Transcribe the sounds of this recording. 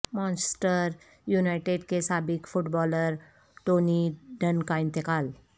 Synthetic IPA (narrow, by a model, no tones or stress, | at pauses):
mãːnssʈəɾ | juːnaːɪʈeɖkesaːbɪkfʊʈbɔːləɾ | ʈoːniɖənkaɪ̃nt̪ɪkaːl